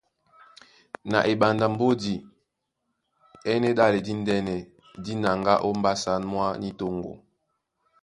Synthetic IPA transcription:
na̰˨ʔe˨ɓa˨nda˨m̩˦bo˦di˨ | ɛ˦nɛ˦ɗa˦le˨di˦n̩˦dɛ˦nɛ˨ | di˦na˨ŋɡa̰˦ʔo˦m̩˦ba˦sa˦nmwa˦ni˦to˦ŋɡo̰˨

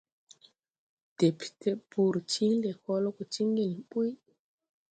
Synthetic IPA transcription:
d̥e˨pi̥˨tʰe˦bu˨ɾt͡ʃi˦ŋle˨ko˦lo˦ko˨t͡ʃi˦ŋɡi˨n˨ɓu˦j

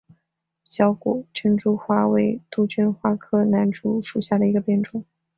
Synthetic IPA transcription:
ɕjɑ˧˥ʊkṵ˨˩ʈ͡ʂʰə˥nʈ͡ʂu˥xwa˥we˧˥ɪt̪u˥t͡ɕʰy˥nxwa˥kʰɤ˥˩na˧˥nʈ͡ʂu˧˥ʂu˨˩ɕja˥˩d̪ə˩i˧˥ɡə˧pjɛ˥˩nʈ͡ʂʊ˨˩ŋ

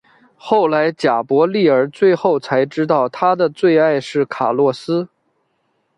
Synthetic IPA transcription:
xo˥˩ʊla˧˥ɪt͡ɕja˨˩pwɔ˧˥li˥˩ə˞˧˥t͡swe˥˧ɪxo˥˩ʊt͡sʰa˧˥ɪʈ͡ʂɻ̩˥t̪ɑ˥˩ʊt̪ʰa˥d̪ə˨t͡swe˥˧ɪa˥˧ɪʂɻ̩˥˩kʰa˨˩lwɔ˥˩sɹ̩˥

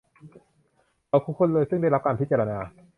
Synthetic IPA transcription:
ʔa˧wkʰuː˦˥kʰːo˥nlɤː˧jsɯ˥˩ŋda˥˩jɾa˦˥p̚kaː˧npʰi˦˥t̚t͡ɕaː˧ɾa˧naː˧

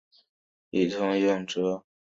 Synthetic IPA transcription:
i˨˩t̪ʰʊ˥ŋɥɛ˥˩nʈ͡ʂɤ˥

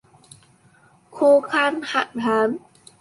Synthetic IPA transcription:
kʰuː˧kʰa˧˩nha˧˩ʔ̚haː˨˦n

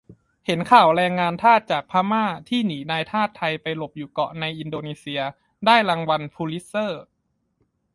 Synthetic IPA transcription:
he˩˦nkʰaː˨˩wɾɛː˧ŋːaː˧nt̪ʰaː˥˩t̪̚t͡ɕaː˨˩k̚pʰaː˦˥maː˥˩t̪ʰiː˥˩niː˩˦naː˧jt̪ʰaː˥˩t̪ʰːa˧jpa˧jlo˨˩p̚juː˨˩kɔ˨˩na˧jʔi˧ndoː˧neː˧si˧ɐ | daː˥˩jɾa˧ŋwa˧npʰuː˧li˦˥sɤː˥˩

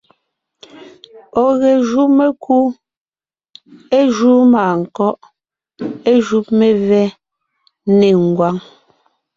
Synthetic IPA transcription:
ɔ˨ɣɛ˨ʒu˦me˦kʰu˦ | e˦ʒu˦maː˨ŋ̩˨kɔ˦ʔ | e˦ʒu˦p̚me˨vɛ˦ | ne˨ŋ̩˨ɡwa˦ŋ

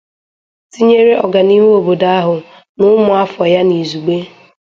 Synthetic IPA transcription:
ti˦ɲe˦ɾe˦ʔɔ˨ɡa˨ni˦we˦o˨bo˨da˦a˦ɦʊ˨ | nʊ˦mʊ˨a˦fɔ˨ja˦ni˨zu˨ɡ͡be˦

